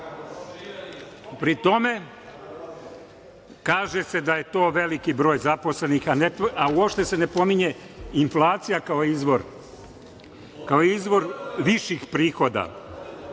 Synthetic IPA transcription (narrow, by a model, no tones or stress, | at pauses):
pɾit̪o̞me̞ | kaːʒe̞se̞d̪aje̞t̪o̞ːʋe̞likibɾo̞ːjzaposle̞nixaneauopʃt̪e̞sene̞po̞miɲe̞ | inflaːt̪sijakaoizʋoɾ | kaoizʋo̞ɾʋiʃixpɾiːxo̞d̪a̰